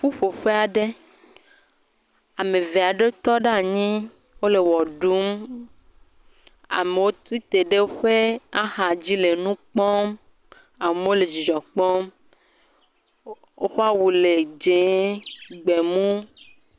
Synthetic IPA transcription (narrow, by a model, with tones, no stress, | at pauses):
ɸu˦ɸo˨ɸe˦a˨ɖe˦ | a˨mẽ˨ve˨a˨ɖe˦t̪ɔ˦ɖa˦˨ɲĩ˦ | wo˦le˨wɔ˨ɖu˦m | a̰˨me˨wo˦t̪ɾi˦t̪e˨ɖe˦wo˦ɸe˦a˦ɦa˨d͡ʑi˦le˨nũ˦k͡pɔ˦m | a˨me˨˦wo˦le˨d͡ʒi˨d͡ʒɔ˨k͡pɔ˦m | wo˦ɸe˦a˦wu˨le˨d͡ʒe˨˦ɡ͡be˨mũ˦